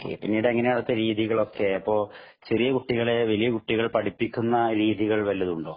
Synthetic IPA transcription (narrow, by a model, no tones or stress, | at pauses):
okːḛpinːiɽɨɐŋːɐne̞jaɽɐt̪ːeɾiːðiɣɐɭo̞kːe̞ɐpːo̞ːɭ | t͡ɕerijɐkuʈːiɣɐɭe̞ʋɐlijɐkuʈːiɣɐɭpɐʈipːikʲːunːɐɾiːðiɣɐɭʋɐlːɐðuɳɖo̞ː